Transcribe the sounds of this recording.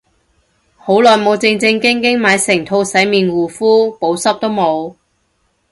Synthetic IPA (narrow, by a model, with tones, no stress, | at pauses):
ho˨˥wlɔː˨jmo˨˧wt͡sɪ˧ŋt͡sɪ˧ŋkɪ˥ŋkɪ˥ŋmaː˨˧jsɪ˨˩ŋt̪ʰo˧wsɐ˨˥jmiː˨˩nwuː˨˩fuː˥po˨˥wsɐ˥p̚t̪o˥wmo˨˧w